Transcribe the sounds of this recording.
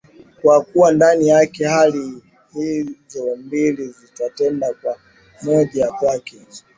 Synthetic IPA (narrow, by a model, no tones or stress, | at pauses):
kwakuwandanijakɛhali | hizɔmbilizitatɛndakwa | mɔʄakwakɛ